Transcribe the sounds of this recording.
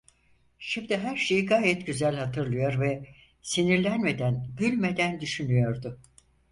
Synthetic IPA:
ʃimd̪ɪɦæɾʃe̞jiɡaːjɛt̪ɟyzælʲhat̪ʰɯɾlˠɯjo̞ɾvɛ | siniɾlʲænme̞d̪ænɟylʲme̞d̪ænd̪yʃynyjo̞ɾd̪ʊ

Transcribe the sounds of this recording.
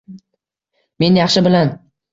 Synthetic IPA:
me̞njɑχʃɪbɪlan

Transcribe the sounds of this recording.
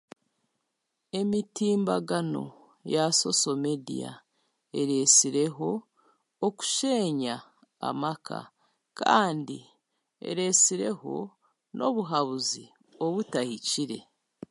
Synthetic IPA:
e̞mitiːmbaɡano̞̰ | jaso̞so̞me̞dḭja̰ | e̞ɾe̞siɾe̞ɦo̞ː | ku̥ʃe̞ɲa̰ː | makʰa̰ | ka̰ːndi | ḛɾe̞siɾe̞ho̞̰ | nʔo̞βuɦaβuzi | o̞βutahiciɾe̞

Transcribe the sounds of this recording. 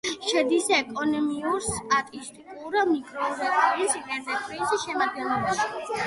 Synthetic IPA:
ʃɛd̪isɛkʼɔnɔmiuɾst̪ʼat̪ʼist̪ʼikʼuuɾanikʼɾɔuɾɛbaisʰiɡɛɾd̪ɛkʰɾɛsiʃɛmad̪ɡɛnɔbaʃ

